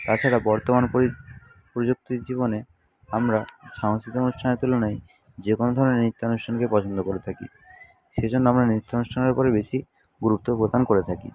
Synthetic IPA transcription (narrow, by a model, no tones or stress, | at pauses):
t̪at͡ɕʰaɾabɔɾt̪omanpo | pɾod͡ʑuk̚t̪id͡ʑibone | amɾaʃaŋsit̪oonuʃʈʰanet̪ulonaj | d͡ʑekonod̪ʱɔɾonenit̪ːaonuʃʈʰankepɔt͡ɕʰond̪okoɾet̪ʰakḭ | ʃed͡ʑʱonːoamɾanit̪ːaonuʃʈʰaneɾpɔɾebeʃi | ɡuɾup̚t̪opɾod̪ankoɾet̪ʰakḭ